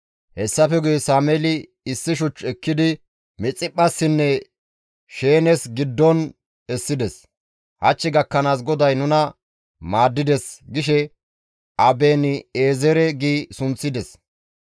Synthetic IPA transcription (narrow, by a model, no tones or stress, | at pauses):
hɛsːɐfɛɡʊjɛsaːmɛlɪ | ɪsːɪʃ̬ʊt͡ʃːɛkːɪd̪ɪ | mɛt͡sʼɪpʼːɐsːɪnːɛ | ʃe̞ːnɛsɡɪd̪ːɔn | ɛsːɪd̪ɛs | hɐt͡ʃːɪɡɐkːɐnaːs̬ɡɔd̪ɐjnʊnɐ | maːd̪ːɪd̪ɛsɡɪʃɛ | ʔɐbeːnɪeːzɛɾɛɡiːsʊnt͡sːɪd̪ɛs